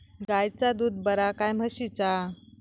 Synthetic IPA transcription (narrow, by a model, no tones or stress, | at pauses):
ɡajt͡sad̪uːd̪bəɾakajm̤əɕit͡sa